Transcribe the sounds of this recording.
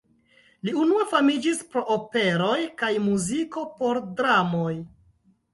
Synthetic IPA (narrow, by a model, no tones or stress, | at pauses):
liunuafamid͡ʒispɾo̞ʔope̞ɾo̞jkajmuziko̞po̞ɾdɾamoj